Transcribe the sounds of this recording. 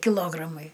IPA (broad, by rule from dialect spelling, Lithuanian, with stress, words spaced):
kʲɪˈlˠoːɡrɐmɐɪ